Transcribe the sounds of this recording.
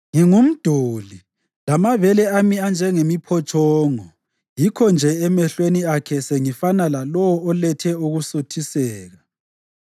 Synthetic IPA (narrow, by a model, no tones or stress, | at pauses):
ŋiŋum̩d̥ʱoːli | lamavɛlɛamiand͡ʒʱɛŋemipʰɔt͡ʃʰʼɔːŋɔ | jikʰɔnd͡ʒʱɛɛmɛɬweniakʰɛseŋifanalalɔwɔɔlɛtʰɛuɣusutʰisɛːɣa